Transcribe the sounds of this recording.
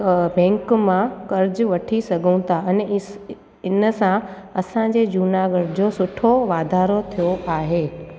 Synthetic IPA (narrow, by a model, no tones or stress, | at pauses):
bɛ̃ːŋkmãkɐɾd͡ʑʋɐʈʰisɐɡʱũt̪aɛnɛ | ɪnəsã | ɐsãd͡ʑed͡ʑuːnaːɡəɽd͡ʑosʊʈʰoʋaːd̪ʱaːɾot̪ʰijoʔaːɦeː